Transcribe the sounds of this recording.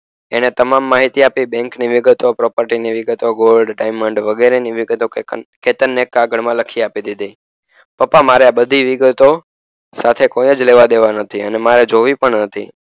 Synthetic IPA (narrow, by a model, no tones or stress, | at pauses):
eñet̪əmamːaɦit̪iapibɛ̃ŋkniʋɪɡət̪opɾɔpəɾʈiniʋɪɡət̪oɡolɖɖajməɳɖʋəɡeɾeniʋɪɡət̪oket̪ənːekaɡəɽmãləkʰiapid̪id̪ʱi | pəpamaɾeabəd̪ʱiʋɪɡət̪o | sat̪ʰekojəd͡ʒleʋad̪eʋanət̪ʰiə̰nemaɾed͡ʒoʋipəɳnət̪ʰḭ